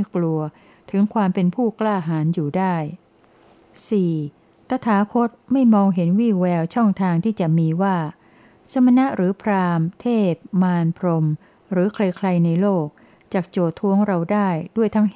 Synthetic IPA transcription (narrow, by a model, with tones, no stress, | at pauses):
klu˧ɐ | t̪ʰɯ˩˦ŋkʰwaː˧mpe˧npʰuː˥˩klaː˥˩ɦaː˩˦njuː˨˩daː˥˩j | siː˨˩ | t̪a˧˥t̪ʰaː˩˦kʰo˦˥t̪̚ma˥˩jmɔː˧ŋɦe˩˦nwiː˥˩wɛː˧wt͡ɕʰɔ˥˩ŋt̪ʰaː˧ŋt̪ʰiː˥˩t͡ɕa˨˩miː˧waː˥˩ | sa˧ma˧na˦˥ʔɾɯː˩˦pʰɾaː˧mt̪ʰeː˥˩p̚maː˧npʰɾo˧m | ɾɯː˩˦kʰla˧jkʰla˧jna˧jloː˥˩k̚ | t͡ɕaː˨˩k̚t͡ɕoː˨˩t̪ʰːu˦˥əŋɾa˧wdaː˥˩jdu˥˩əjt̪ʰa˦˥ŋ